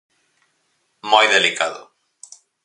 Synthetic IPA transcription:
mojðelikaðʊ̰

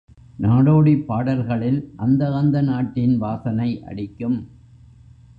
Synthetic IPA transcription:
naːɽoːɽipːaːɽɐɾɣɐɭɪlʔɐnd̪ɐɐnd̪ɐnaːʈːɪnʋaːsɐnɐɪʔɐ̰ɽɪkːɯm

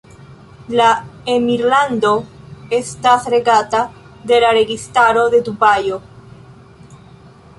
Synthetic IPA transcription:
laemiɾland̪o̞ | e̞st̪asɾe̞ɡat̪a | d̪e̞laɾe̞ɡistaɾo̞ðe̞d̪ubajo̞

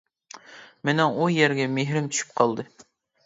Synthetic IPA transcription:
menɛŋujɛɾɡʲɛmeɦɾɪmtt͡ʃ̪ʰy̥ʃy̥p̚qʰɑlˠd̪ɨ

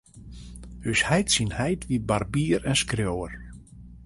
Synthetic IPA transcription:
høshɛjtsinhɛjtʋibarbiːɾɛnskrjoːər

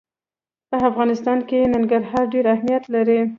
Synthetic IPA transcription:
pəafɣɑnɪst̪ɑnkenaŋɡaɾɦɑɾɖeɾahmijat̪laɾi

